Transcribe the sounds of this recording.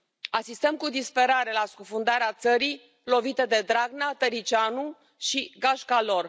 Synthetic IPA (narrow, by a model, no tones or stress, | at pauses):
asist̪əmkud̪ispe̞ɾaɾe̞laskufund̪aɾeat̪səɾij | lo̞vit̪ed̪e̞d̪ɾaɡnat̪əɾit͡ʃanu | ʃiɡaʃkalo̞r